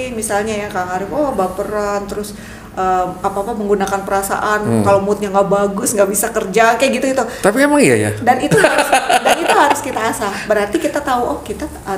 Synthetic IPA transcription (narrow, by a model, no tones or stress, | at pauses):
misalɲajakaaŋaɾʊkɔhbapəɾant̪əɾʊs | ʔəapaːpaməŋɡunakanpəɾasa̰ʔankalomut̪̚ɲaŋɡaʔbaɡʊsŋɡaʔbisakərd͡ʒakajaɡit̪uɡit̪ut̪apiɛmaŋija̰ja̰danit̪uaɾsdanit̪uɦaɾʊskit̪aːsabəɾart̪ikit̪at̪auʔɔhkit̪a